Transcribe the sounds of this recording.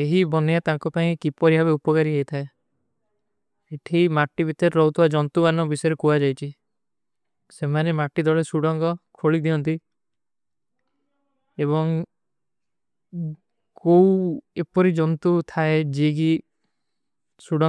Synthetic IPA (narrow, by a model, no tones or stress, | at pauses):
eɦibɔnijat̪aŋkɔpaĩkipɔɾiɦaβeupɔkaɾiɦejt̪ʰae | eʈʰimaʈibit̪eɾɾɔɦut̪ʰiad͡ʒɔnt̪ubanɔbisɔjɾekuad͡ʒajt͡ʃʰi | semanemaʈid̪ɔɭesuɽɔŋɡɔkʰoɭid̪iɔnt̪i | eβɔŋ | kouepɔɾid͡ʒɔnt̪ut̪ʰaed͡ʒiɡi | suɽɔ